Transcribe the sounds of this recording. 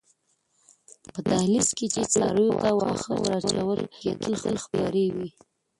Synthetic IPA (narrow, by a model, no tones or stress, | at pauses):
pət̪ahlisket͡ʃet͡slɑ̰ɾəjot̪awɑ̰xəɾɑt͡ʃlawəlket̪əlxəlxpjɑɾewi